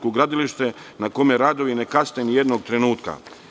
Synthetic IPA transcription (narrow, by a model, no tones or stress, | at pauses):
koɡɾad̪iliʃt̪e | nakomjeɾaːd̪o̞ʋinekasnenjed̪noɡt̪ɾenuːt̪ka̰